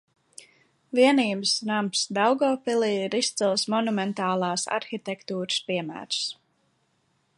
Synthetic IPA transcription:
viɛniːbəsnamsd̪awɡɔːpilˠiːiɾist̪silˠsmɔnumɛnt̪aːlˠɑːsa̰ɾxit̪ɛkt̪uːɾɨspiɛmæ̰ːɾs

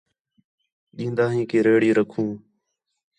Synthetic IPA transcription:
ɗĩːnd̪aːɦĩːkeːɾeːɽiːɾəkʰũː

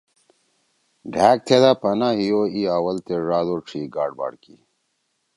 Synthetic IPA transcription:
ɖʱæːk̚t̪ʰed̪aːpɐnaɦijoːiaːwɐlt̪eʐaːd̪oʈ͡ʂʰiːɡa̰ːɖba̰ːɽkḭ

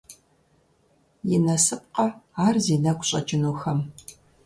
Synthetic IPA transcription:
jɪnɐsɨp̚qɐaːrziːnɐkʷʼɕʼɐ̰t͡ʃʼɪnuːxɐm

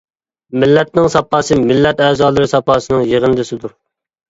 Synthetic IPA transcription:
mɪlːɛt̪̚nɪŋsɑpːɑːsɨmɪlːɛt̪ɛzɑːlˠɨɾɪsɑpʰɑːsɨnɨŋjeʁənɨd̪ɪsɪd̪uɾ

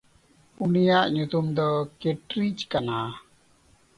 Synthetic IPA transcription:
unijaʔɲut̪umd̪ɔkeʈɾit͡ʃkana

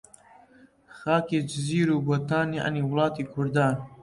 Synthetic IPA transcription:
xɑːkeːd͡ʒɪziːɾuːbɐt̪aːniʔa̰niːwʊlˠɑːt̪iːkʰʊɾd̪ɑː

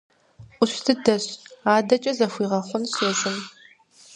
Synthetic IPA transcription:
ʔʷʊɕtʰɨdɐɕaːdɐt͡ʃʼɐzɐfʷiːʁɐχʷʊnɕɐzɨn

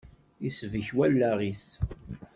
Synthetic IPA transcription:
isvəçwælːæʁis

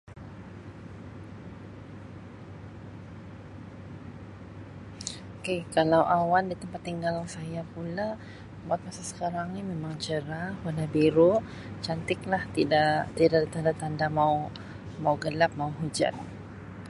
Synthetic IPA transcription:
okekalawʔawandit̪əmpat̪ːiŋɡalaŋsajapula | buat̪̚masasə̥kaɾaŋnimemaŋt͡ʃəɾahwanabiɾo | t͡ʃant̪ɪk̚laht̪idat̪idadit̪andat̪andamaw | mawɡəlap̚mauɦud͡ʒa̰n

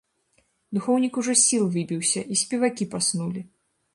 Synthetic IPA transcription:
d̪uxɔwnʲikuʐɔsʲilˠvɨbʲiwsʲɐʔisʲpʲɛvakʲipasnulʲi

